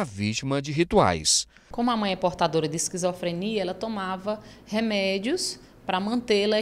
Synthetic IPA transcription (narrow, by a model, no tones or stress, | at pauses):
ɐvit͡ʃimɐd͡ʒɪɦit̪ua̰js | kõmʊamɐ̃j̃ɛpoɾt̪ad̪oɾɐd̪ɪskizofɾeniɐɛlɐt̪õmavɐhemɛd͡ʒiʊs | pɾɐmɐ̃nt̪elɐ